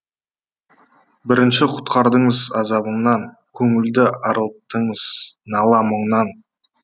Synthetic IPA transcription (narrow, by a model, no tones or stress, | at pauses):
bɪɾɪnʃɪqʰʊ̥t̪qɑɾd̪əɴəzɑzɑbəɴnɑŋ | kʲʰɵŋɪld̪ɪɑɾəlˠt̪əɴəz̥nɑlˠɑməɴnɑn